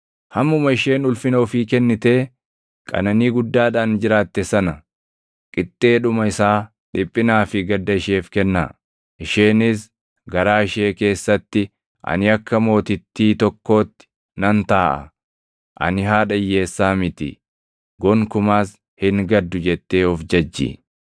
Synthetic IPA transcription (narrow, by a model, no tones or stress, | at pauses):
hɐmːʊmɐɪʃe̞ːnʊlfɪnoːfiːkɛnːɪt̪e̞ː | kʼɐ̰nɐniːɡʊd̪ːaːᶑaːnd͡ʒɪɾaːt̪ːɛsɐnɐ | kʼɪt̪ʼːeːᶑʊmɐɪsaː | ᶑɪpʼːɪnaːfɪɡɐd̪ːɐɪʃe̞ːfkɛnːa̰ː | ʔɪʃeːnɪs | ɡɐɾaːɪʃe̞ːke̞ːsːɐt̪ːɪ | ʔɐ̰nɪɐkːɐmo̞ːt̪ɪt̪ːiːt̪ɔkːo̞ːt̪ːɪ̥ | nɐnt̪aːʔɐ̰ | ʔɐ̰nɪɦaːᶑɐjːe̞ːsːaːmɪt̪ɪ̰ | ɡɔŋkʊmaːs | hɪŋɡɐd̪ːʊd͡ʒɛt̪ːe̞ːɔfd͡ʒɐd͡ʒːɪ̰